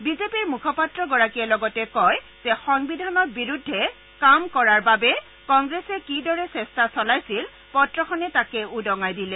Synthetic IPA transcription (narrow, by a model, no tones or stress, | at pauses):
bizepiɹmukʰɔpatɹɔɡɔɹakijɛlɔɡɔtɛkɔj | zɛxɔŋbidʱanɔɹ̚biɹudʱːɛ | kamkɔɹaɹbabɛ | kɔŋɡɹesɛkidɔɹɛsɛstasɔlajsil | pɔtɹɔxʰɔnɛtakɛudɔŋajdilɛ